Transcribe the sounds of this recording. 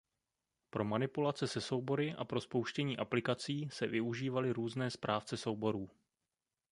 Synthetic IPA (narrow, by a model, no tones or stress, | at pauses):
pɾo̞manɪpulat͡sɛsɛso̞wbo̞ɾɪʔa̰pɾo̞spowʃcɛɲiːʔaplɪkat͡siːsɛvɪuʒiːvalɪɾuːznɛːspɾʔaːft͡sɛsowbo̞ɾuː